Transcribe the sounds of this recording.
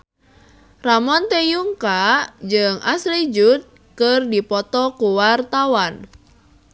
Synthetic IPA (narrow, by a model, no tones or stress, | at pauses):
ramɔnt̪ɛjuŋkad͡ʒɨŋasɾid͡ʒut̪̚ | kɨrdipɔt̪ɔkuwart̪awan